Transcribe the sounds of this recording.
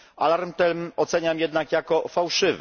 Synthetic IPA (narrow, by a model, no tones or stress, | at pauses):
a̰laɾmt̪ɛlmɔt̪sɛɲamjɛd̪nakjakɔfawʂɘv